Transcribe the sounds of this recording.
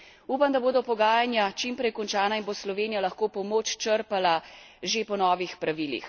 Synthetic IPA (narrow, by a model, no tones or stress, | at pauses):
uːpamd̪aboːd̪ɔpɔɡaːjanjat͡ʃimpɾɛjkɔnt͡ʃaːnainboːslɔʋeːnijalɐxkoːpɔmoːt͡ʃt͡ʃəɾpalaʒepɔnɔːʋixpɾaʋiːlḭx